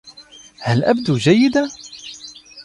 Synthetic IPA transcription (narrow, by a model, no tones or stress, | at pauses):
halʔa̰bd̪uːd͡ʒajːɪd̪a